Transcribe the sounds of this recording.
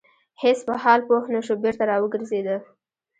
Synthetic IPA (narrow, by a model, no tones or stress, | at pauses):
hɪsbahɑlpohnaʃobɪɾt̪aɾɑwəɡəɾzed̪ə